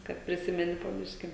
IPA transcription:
ˈkɐt pʲrʲɪˈsʲɪmʲɛnʲɪ poː ˈbʲɪʃʲkʲɪ

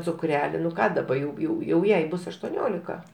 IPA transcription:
t͡sʊˈkrʲæːlʲɪ nʊ ˈkɑː dɐˈbɐ jɛʊ ˈjɛʊ jɛʊ ˈjɛɪ ˈbʊs ɐʃtuɔˈnʲoːlʲɪkɐ

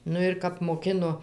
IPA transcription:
ˈnʊ ɪr ˈkɐp moːˈkʲɪnoː

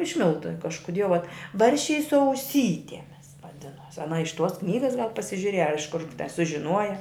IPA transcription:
ɪʃ ˈmʲɪlˠtʊ kɐʃkʊˈdʲiɛ ʋɐ ˈbɐrʲʃʲt͡ʃʲɛɪ sʊ ɐʊˈsʲiːtʲɛmʲɪs ʋɐˈdʲɪnuɔs ɐˈnɐ ɪʃ tuɔs ˈknʲiːɡɐs ɡɐlˠ pɐsʲɪʒʲʊˈrʲiɛjɛ ɐr ɪʃ kʊr sʊʒʲɪˈnuɔjɛ

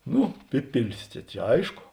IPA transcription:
ˈnʊ ˈpʲɪpʲɪlʲɪs ˈt͡ʃʲɛ t͡ʃʲɛ ˈɐɪʃkoː

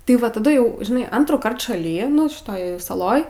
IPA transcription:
tʲɪ ˈʋɐ tɐˈdʊ jɛʊ ʒʲɪˈnɐɪ ˈɐntruːˌkɐrt ʃɐˈlʲiː nʊ ʃʲɪˈtoːj sɐˈlˠoːj

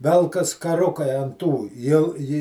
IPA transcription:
ˈʋʲɛlˠkɐs kɐˈrʊkɐɪ ɐn ˈtuː jɛʊ ˈjɪ

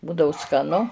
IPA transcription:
ˈbuːdɐʊ skɐˈnʊ

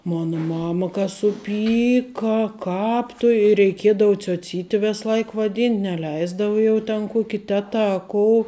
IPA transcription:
ˈmoːnɐ ˈmɑːmɐ kɐ sʊˈpʲiːkɐ ˈkɑːp tʊ ɪ rʲɛɪˈkʲiɛdɐʋʊ t͡sʲoːˈt͡sʲiːtʲɪ ˈʋʲɛs ˈlˠɐɪk ʋɐˈdʲiːnʲtʲ nʲɛˈlʲɛɪzdɐʋɐ ˈjɛʊ tʲɛn ˈkuɔkʲɪ ˈtʲæːtɐ ɐ ˈkoːʊ

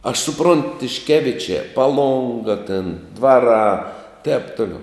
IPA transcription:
ɐʃ sʊˈproːnt tʲɪʃʲˈkʲæːʋʲɪt͡ʃʲæː pɐˈlˠoːŋɡɐ tʲɪn ˈdʋɑːˌrɑː tʲɛːp ˈtʊlʲɛʊ

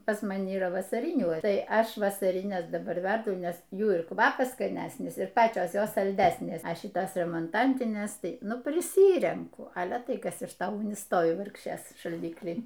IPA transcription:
pɐs mɐˈnʲɪ iːˈrɐ ʋɐsɐˈrʲɪnʲuː ˈtɐɪ ˈɐʃ ʋɐsɐrʲɪˈnʲɛs dɐˈbɐr ˈʋʲɛrdʊ ˈnʲɛs ˈjuː ɪr ˈkʋɑːpɐs skɐˈnʲæsʲnʲɪs ɪr ˈpɑːt͡ʃʲoːs ˈjoːs sɐlʲˈdʲæsʲnʲeːs ˈɐ ˈʃʲɪtoːs rʲɛmoːnˈtɐnʲtʲɪnʲeːs ˈtɐɪ ˈnʊ pʲrʲɪˈsʲiːrʲɛŋkʊ ˈɑːlʲɛ ˈtɐɪ ˈkɐs ɪʃ ˈtoː ˈʊɡnʲɪ ˈstoːʋʲɪ ˈʋɐrkʃʲeːs ʃɐlʲˈdʲɪklʲiː

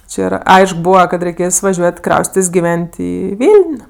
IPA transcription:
t͡ʃʲɪ ˈiːrɐ ˈɐɪʃk ˈbuːʋɐ kɐt rʲɛɪˈkʲeːs ʋɐˈʒʲuɔtʲ ˈkrɐʊsʲtʲɪtʲeːsʲ ɡʲɪˈʋʲɛnʲtʲ ˈiː ˈʋʲɪlʲnʲ

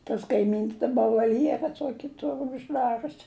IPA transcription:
tɐs kɐɪˈmʲiːns dɐˈbɐ ʋɐlʲˈjæːrɐ ˈtuɔkʲɪ ˈtʊr ʊʒˈdɑːrʲʊs

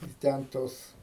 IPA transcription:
ɪ ˈtʲɛn ˈtoːs

